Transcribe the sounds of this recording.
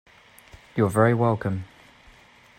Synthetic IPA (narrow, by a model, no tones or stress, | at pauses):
jəvɛɹiwɛlˠkʰə̃m